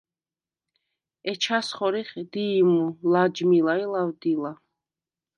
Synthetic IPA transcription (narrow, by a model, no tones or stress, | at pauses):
ɛt͡ʃʰasχɔɾiχd̪iːmulad͡ʒmilailawd̪ila